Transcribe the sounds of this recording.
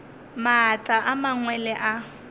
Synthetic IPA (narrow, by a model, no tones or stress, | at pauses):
maɦat͡ɬʼaʔamaŋwɛlɛʔa